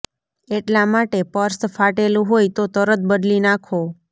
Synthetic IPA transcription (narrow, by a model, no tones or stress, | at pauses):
eʈlamaʈepəɾstfaʈelũɦojt̪ot̪əɾət̪̚bəd̪linakʰo